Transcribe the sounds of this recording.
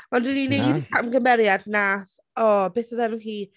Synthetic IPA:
mandwininejdkʰamɡəmɛɾjadnaːθ | ɔbeːθaðɛnənɦiː

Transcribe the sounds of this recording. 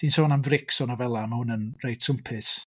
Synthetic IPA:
d̥insoːnamvrɪksɔnavɛlˠamhʊnənrejd̥sʰʊmpʰɪθ

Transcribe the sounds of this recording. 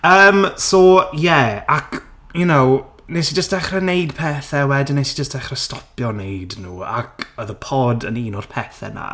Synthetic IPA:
əːmsɔjɛak | junow | nesid͡ʒəstd̥ɛχrɛnejdpʰɛːθɛwɛdɪnːesid͡ʒəstd̥ɛχrɛstɔpjɔnejdnuːa̰kəðəpʰɔdə̰niːnʊr̥pʰɛːθɛ̰na̰

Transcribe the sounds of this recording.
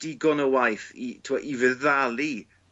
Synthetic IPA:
d̥ɪɡɔnəwajθitʰɪmaʔivəðalˠi

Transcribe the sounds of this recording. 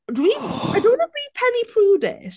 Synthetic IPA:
dwĩmaɪdõʊ̃nəli̥pʰɛnipʰɹ̥udɛ̰̥

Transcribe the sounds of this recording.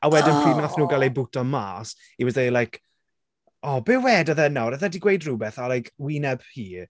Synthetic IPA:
awɛdɪnpʰr̥iːmaθnuːɡalˠejbʊtʰɔmaːs | iwɛðejlajkʰ | ɔbɪwɛːdaðɛnawɾaðɛdiɡwejdrubɛθalajkʰwinɛb̥hiː

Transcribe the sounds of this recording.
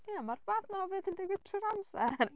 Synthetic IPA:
amarvaːθnɔvɨːðəndɛɡə̥tʰrɨɾamsɛr

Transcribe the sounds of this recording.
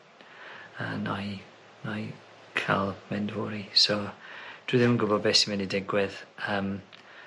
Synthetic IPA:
ə̰ːnaj | naj | kʰa̰lˠmɛndvʊɾisɔd̥ʊɨðɪmənɡʊbɔd̚bɛsimɛdidɪɡwɪðəːm

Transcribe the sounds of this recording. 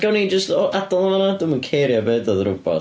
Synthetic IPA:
ɡ̥ɛwnid͡ʒəstɔʔadɔlˠananadɪmənkʰejɾjɔbeːdəðrʊbɔ̰

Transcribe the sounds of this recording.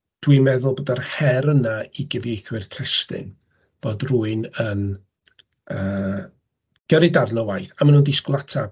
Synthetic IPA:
d̥wimɛðʊlˠboːdarhɛɾənaiɡɪvjejθwɪrtʰɛstɪ̰n | b̥oːdruɨnən | əː | ɡ̥əɾɪdarnɔwajθamanuːndisklˠatʰa

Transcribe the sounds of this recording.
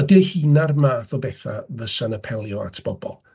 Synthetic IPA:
ədiəhiːnarmaːθɔbɛːθa̰vəsanəpʰɛlˠjɔa̰tʰb̥ɔbɔ̰lˠ

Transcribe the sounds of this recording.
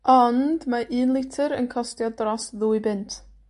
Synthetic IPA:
ɔnd̥maʔɨːnlˠɪtʰɨɾənkʰɔstjɔdrɔsðuːɨbɪntʰ

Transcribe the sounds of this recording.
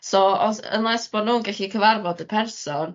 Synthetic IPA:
soɔsə̰nlˠɛsb̥ɔdnuːnɡɛɬikʰəvarvɔdəpʰɛrsɔn

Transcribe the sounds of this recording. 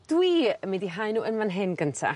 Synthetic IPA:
d̥wiːmidiɦajnuːənmanɦɪnɡəntʰa̰

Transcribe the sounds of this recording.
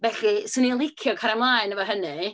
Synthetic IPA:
bɛɬisɨnilˠikʰjɔkʰaɾamlajnəvəɦənɨ

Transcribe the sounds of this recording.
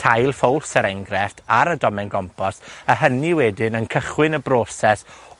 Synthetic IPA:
tʰajlˠfowlˠsəɾɛŋɡɾɛrtʰaɾədɔmɛnɡɔmpʰɔsəɦəniwɛdɪnənkʰəχwɪnəbrɔːsɛs

